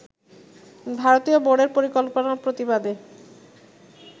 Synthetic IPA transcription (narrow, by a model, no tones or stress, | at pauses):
bʱaɾot̪ioboɽeɾpoɾikolponapɾot̪ibad̪e